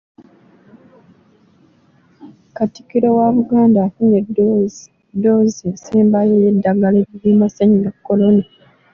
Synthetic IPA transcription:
kati̥kiɾewaβuɡaːndaːfuɲed | dːo̞ːziesiːmbajejedːaɡaleiβimasaɲiɡakːo̞lo̞na

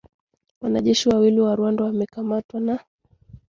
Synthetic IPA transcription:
wanaʄɛʃiwawiliwaɾwandɔwamɛkamatwana

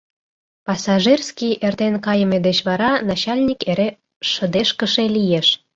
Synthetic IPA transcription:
pɑsɑʒirskijʔert̪enkɑjə̆med̪et͡ɕβɑɾɑnɑt͡ɕɑlʲnʲikeɾe | ʃə̆d̪eʃkə̆ʃelijeʃ

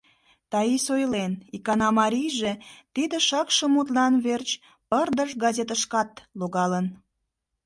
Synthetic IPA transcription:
t̪ɑisojlenikɑnɑmɑɾʲijʒet̪id̪eʃɑkʃə̆mut̪lɑnβert͡ɕ | pərd̪əʃɡɑzʲet̪əʃkɑt̪loɣɑlən

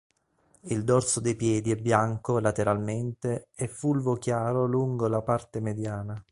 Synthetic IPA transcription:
ild̪ɔrsod̪ejpjɛːd̪iɛbːjaŋkolat̪eɾalment̪eɛfːulvokjaːɾoluŋɡolapart̪emed̪jaːna

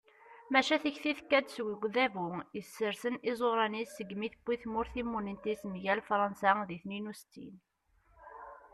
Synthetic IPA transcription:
mæʃæθəçθiθkːæd̪swəɡðævujəsːəɾsənɪzˤoɾˤɑnisːəɡmiθəb̥ːiθmʊɾθimːunənt̪ismʝælfɾˤɑnsæðiθninust̪ḭn

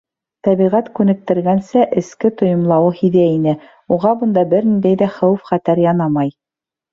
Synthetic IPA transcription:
t̪æβiʁæt̪kʉnɘ̆k̚t̪ɘ̆ɾɡænsæʔɘ̆skɘt̪ŏjŏmlˠɑwɤhiðæinɘ | uʁɑbɤ̆nd̪ɑbɘɾnind̪æjðæχæwɘfχæt̪æɾjɑnɑmɑj

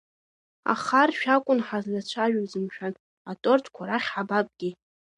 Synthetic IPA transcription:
a̰χarʃᶣakʷʼʊnħazlat͡ʃʷʰaʒᶣazɨmʃᶣan | atʼortʰkʷʰaɾaχʲħabapʼɡʲi

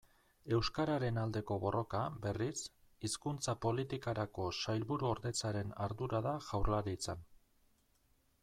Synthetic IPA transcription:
e̞wskaɾaɾe̞nald̪e̞ko̞βo̞ro̞kabe̞risiskunt͡sapo̞lit̪ikaɾako̞sajlβuɾuoɾðe̞t͡saɾe̞naɾðuɾaðaʝ̥awrlaɾit͡san

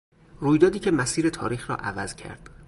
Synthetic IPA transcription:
ruːjd̪ɒːd̪iːcʰemæsiːɾe̞t̪ʰɒ̰ːɾiːxɾɒ̰ːʔævæz̥cʰæ̰ɾd̪̥

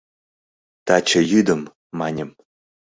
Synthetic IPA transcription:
t̪ɑt͡ɕə̆jyd̪ə̆mː | ɑnʲə̆m

